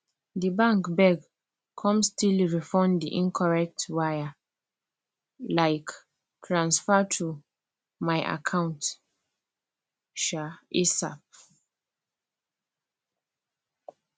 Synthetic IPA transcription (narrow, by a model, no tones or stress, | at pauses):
dibãŋkbɛɡ | kʰɔ̃mstilɹifɔ̃ndiʔĩnkʰɔɹɛk̚twaja | laɪk | tʰɹãnsfɛtʰu | maɪʔa̰kʰãʊ̃nt | ʃaesa̰p̚